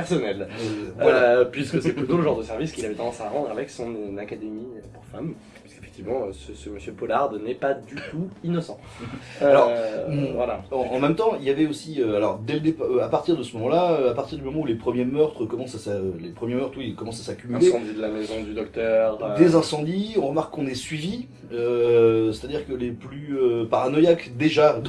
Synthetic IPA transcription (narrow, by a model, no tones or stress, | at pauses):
pɛʁsɔnɛl | apɥiskəsɛplyt̪oləʒɑ̃ʁd̪əsɛʁviskʲilavɛt̪ɑ̃d̪ɑ̃saʁɑ̃d̪ʁavɛksɔ̃nnakad̪emipuʁfam | pɥiske̥fɛk̚t̪ivmɑ̃øsəsəməsjøpɔlaʁd̪nɛpad̪yt̪uinɔsɑ̃ | alɔʁvwalãːmɛmt̪ɑ̃iljavɛosiøalɔʁd̪ɛləd̪epaøapaʁt̪iʁd̪əsəmɔmɑ̃laøapaʁt̪iʁd̪ymɔmɑ̃ulepχəmjemœʁt̪χəkɔmɑ̃sasaølepχəmjemœʁt̪χwilkɔmɑ̃sasakʲymylẽd̪id̪əlamezɔ̃d̪yd̪ɔk̚t̪œʁd̪ezɛ̃sɑ̃d̪iɔ̃ʁəmaʁkːɔ̃nɛsɥivi | øsɛ̥t̪ad̪iʁkəleplyøpaʁanɔjakd̪eʒa